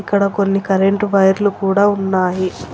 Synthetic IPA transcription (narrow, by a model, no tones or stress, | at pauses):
ikːɐɽɐko̞nːikɐɾeɳʈʋɐjɐɾlukuːɽaːunːaːji